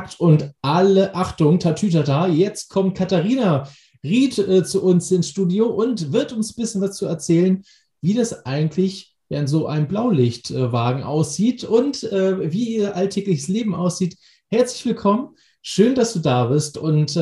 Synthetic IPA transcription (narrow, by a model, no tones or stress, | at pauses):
ktʰʊntʔaləʔaχtʊŋtʰatʰyːtataːjɛt͡st̚kʰɔmt̚kʰataʁiːna | ʁiːtɛːt͡suʔʊnsɪnsʃtuːdjoːʔʊntvɪɐtʊnsbɪsçənvast͡suːɛɐt͡sɛːlən | viːdasʔaɪɡŋ̩tʰlɪç | vɛːʁəntz̥oːʔa̰ɪnəmblaʊlɪçtʔɛvaːɡŋ̩ʔa̰ʊsz̥iːtʰʊntʔɛːviːiːɐʔaltʰɛːklɪçə̥sleːbm̩aʊsz̥iːt | hɛɐt͡slɪçv̥ɪlkʰɔmən | ʃøːndasd̥uːdaːbɪɐstʊnt